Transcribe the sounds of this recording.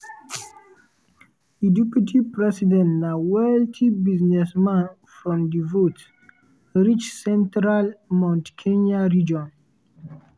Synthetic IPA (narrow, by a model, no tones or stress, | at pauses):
idupitʰipɹɛsidɛ̃ntnawɛltʰibiznɛsmãn | fɹɔ̃mdivot | ɹit͡ʃsɛ̃ntɾalmãntkʰenaɹid͡ʒɔ̃n